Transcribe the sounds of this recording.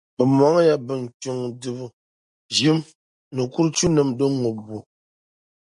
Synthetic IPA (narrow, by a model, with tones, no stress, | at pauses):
bə˨mwa˨˦ŋ˦ja˦bə˨ŋ̩˨tu˨ŋdɨ˨bə˨ | d͡ʒi˦m | nə˨ku˦ɾt͡ʃu˦nə˨mdə˦ŋo˨bu˨